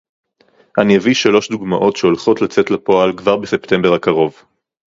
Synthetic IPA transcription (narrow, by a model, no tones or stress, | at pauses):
ʔanijaviʃalo̞ʃd̪uɡmaʔo̞tʃeolχo̞tlat͡setlapo̞alkvaʁbese̞pte̞mbeʁakaʁo̞v